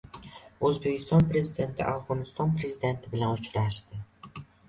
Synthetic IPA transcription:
ɵzbekʲʰɪst̪ʰɒnpʰɾezid̪ent̪ʰɪ̰ʔafʁonɪst̪ʰɒnpʰɾezid̪ent̪ʰɪbɪlænʊt͡ʃɾæʃt̪ɪ

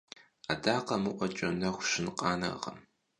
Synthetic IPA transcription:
adaːqɐmɨʔʷɐt͡ʃʼɐnɐxʷʊɕɪnqɑːnɐ̰ʁɐ̰m

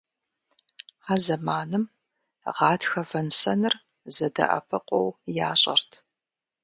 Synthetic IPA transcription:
ħazɐmaːnɨm | ʁɑːtxɐvɐnsɐnɨr | zɐdɐ̰ʔɐ̰pʰɐqʷʼɔwjaːɕʼɐ̰rtʰ

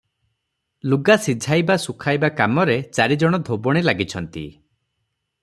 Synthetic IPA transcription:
luɡasid͡ʒʱajbasukʰajbakamɔɾet͡ʃaɾid͡ʒɔɽ̃ɔd̪ʱobɔɽ̃ilaɡit͡ʃʰɔnt̪ḭ

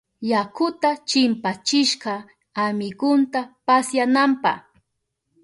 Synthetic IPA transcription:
jakʊt̪at͡ʃɪmpat͡ʃɪʃɢɑ | amɪɡʊnt̪apasjanampɑ̰χ

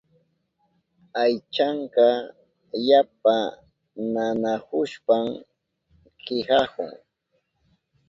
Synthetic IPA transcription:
ajt͡ʃaɴkɑ | jap̚a | nanahʊʃpam | kɪhɑhʊ̰ŋ

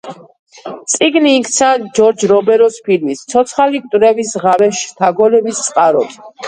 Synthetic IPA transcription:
t̪sʼiɡniːkʰt̪sʰad͡ʒɔɾd͡ʒɾɔbɛɾɔspʰilmist̪sʰɔt̪sʰχalik̚ʼt̪ʼɾɛvisʁavɛʃt̪ʰaɡɔlɛbist̪sʼqʼaɾɔ̰d̪

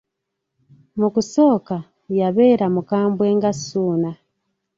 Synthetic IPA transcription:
mukuso̞ːka | jaβe̞ːɾamukaːmbwe̞ːŋɡasuːna

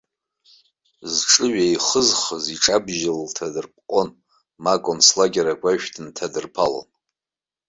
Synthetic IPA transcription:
zʈ͡ʂʼɨɥaiχəzχəziʈ͡ʂʼabʒɪlːtʰadɨrpʰʼqʼon | makʼonslaɡʲaɾaɡʷʼaʃᶣtʰɨntʰadɨrpʰalo̰n

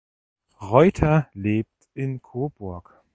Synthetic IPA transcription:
ʁɔʏtʰɐleːp̚tʔɪnkʰoːb̥ʊɐk

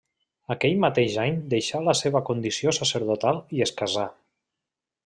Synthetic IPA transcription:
akɛʎmat̪eʒaɲd̪eʃaləseβəkund̪isiosəsəɾðut̪alˠieskaza

